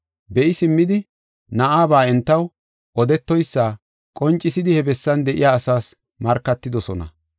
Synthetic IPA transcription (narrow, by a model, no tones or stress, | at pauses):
bɛʔɪsɪmːɪd̪ɪ | nɐʔaːbaːɛnt̪ːɐw | ʔɔd̪ɛt̪ːɔjsːaː | kʼɔnt͡ʃʼːɪsɪd̪ɪhɛbɛsːɐnd̪ɛʔɪjaːsaːs | mɐɾkːɐt̪ːɪd̪ɔsɔnɐ̰